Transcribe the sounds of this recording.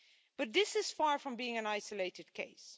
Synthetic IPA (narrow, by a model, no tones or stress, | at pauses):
b̥ʌt̪̚ðɪsɨz̥fɑɹfɹʌ̃mbiɪ̃ŋɨ̃naɪsəleɪɾɨd̚kʰḛɪs